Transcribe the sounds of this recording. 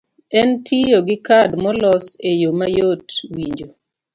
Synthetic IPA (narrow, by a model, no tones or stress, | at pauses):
ɛntʰijoɡɪkadmɔlɔsejomajotwiɲd͡ʒo